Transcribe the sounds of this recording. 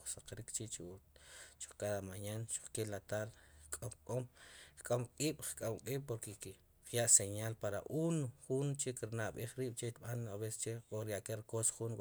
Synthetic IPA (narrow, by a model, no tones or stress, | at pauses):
saqɾikt͡ʃit͡ʃiut͡ʃu̥χkaðamaɲanʃu̥χkelat̪aɾχkʼomkʼomχkʼomqʼiːɓ̥χkʼomqʼiːɓpoɾkek | χjaʔseɲalpaɾa̰ʔunχunt͡ʃekiɾnaʔɓiχɾiːɓ̥t͡ʃet̪ɓanaβese̥st͡ʃeoɾjaʔkeɾkosχunw